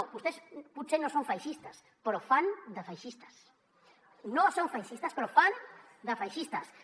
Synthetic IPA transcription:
ust̪espusenõsõŋfajʃist̪as | pɾofand̪afajʃist̪ḁs | nõsõŋfajʃist̪aspɾofan | d̪afajʃist̪as

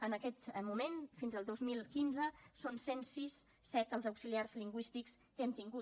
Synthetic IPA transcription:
ənəkɛt̪mumenfinzəlˠd̪ozmilˠkinzəsonsensisː | ɛt̪əlˠzəwksiliaɾzliŋɡwist̪ikskeənt̪iŋɡu

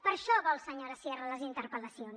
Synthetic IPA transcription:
pəɾʃɔβɔlˠsəɲoɾəsjɛrələzint̪əɾpəlɐsjon

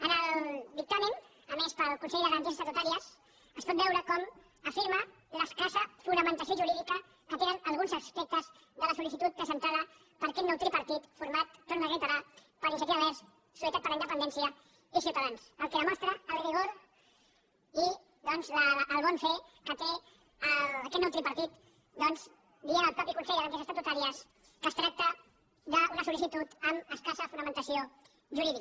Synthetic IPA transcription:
ənəlˠβik̚t̪amimː | mespəlˠkunsɛjðəɣɾənt̪is̬sək̪ut̪aɾiəs | əspɔt̪̚bɛwɾəkɔm | əfiɾmə | ləskasəfunəmə̃nt̪asioʒuɾiðikə | kət̪enənəlˠɣunzəspek̚t̪əz | ðələsulisit̪ut̪̚pɾəzənt̪aðə | pəɾkɛt̪nɔwt̪ɾipəɾt̪it̪fuɾmat̪̚ːonləɣit̪əɾal | pəɾinsək̪t̪ialɛs | suit̪at̪̚pəɾləind̪əpənɛnsiə | isjuwt̪aðansəlˠkɛðəmɔst̪ɾəːlɾiɣoɾ | i | ðɔnzləːlˠβɔnfekət̪e | əkɛt̪nɔwt̪ɾipəɾt̪it̪ | d̪ɔnz | d̪ienəlpɾɔpikunsejaðəkesəst̪at̪ut̪aɾiəs | kəst̪ɾak̚t̪ə | ðəunəsulisit̪ut̪əməskasəfunəmənt̪əsio | ʒuɾiðik

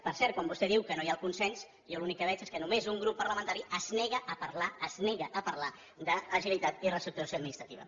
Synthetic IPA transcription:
pəɾsɛɾt̪̚kwambust̪ɛðiwkənojaəlˠkunsɛns | jolunikːəβɛt͡ʃeskənumezuŋɡɾupːəɾləmənt̪aɾiʔəznɛɣəʔːpəɾlaəznɛɣəʔəpəɾla | d̪əːʒilit̪at̪irəst̪ɾuk̚t̪uɾəsjoəd̪minist̪ɾət̪iβ̞ə̰

